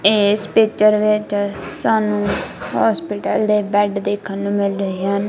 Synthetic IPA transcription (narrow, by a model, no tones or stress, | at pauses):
eːspɪt͡ʃəɾʋɪt͡ʃsaːnũːhɔːspɪʈəld̪eːbɛːɖd̪eːkʰənːũːmɪlɾəɦiːn